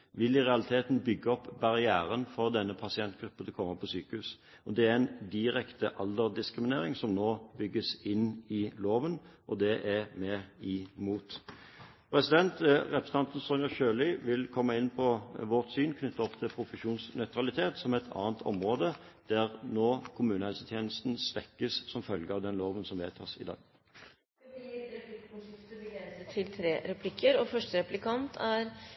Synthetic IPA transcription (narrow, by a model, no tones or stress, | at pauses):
ʋɪlɪʁɛɑlɪt̪ʰeːt̪nbʏɡːəɔpːbɑʁɪæːɾənfɔʁd̪ɛnːəpʰɑsɪɛnt̪ɡ̥ɾʉpːəd̪ɛkʰɔmːəpʰɔsyːkəʉs | ʔɔd̪ɛæɾɛɪnd̪ɪʁɛkt̪əʔɑld̪əʁd̪ɪskɾɪmɪneːʁɪŋsɔmnoːbʏɡːəsɪnɪloːʋənʔɔd̪ɛʔɛmɛɪmuːt̪ | pʰɾɛsɪd̪ɛnt̪ʁɛpʰɾəsəɑnt̪n̩sɔnjɑçøːlɪʋɪlkʰɔmːəɪnːpʰɔʋɔʁt̪syːnkʰnʏt̪ʰːɑɔpt̪ʰɪlpʰɾʊfəʃuːnsnœʏt̪ʁɑlɪt̪ʰeːt̪sɔmɛt̪ʰɑ̰ːənt̪ʰɔ̰mʁoːd̪əd̪̥æʁnoːkʰʊmʉːnəhɛlsət̪ʰjeːnəst̪n̩sʋɛkːəssɔmfœlɡəɑʋd̪ɛnloːʋənsɔmʋeːt̪ʰɑ̰ːsɪ̰d̪ɑ̰ːɡ | ɪk̪ | esət̪ʰɪlt̪ʰɾeːɾɛpʰlɪkʰːəɾɔfœʂʈəɾɛplɪkʰɑnt̪ʰæɾ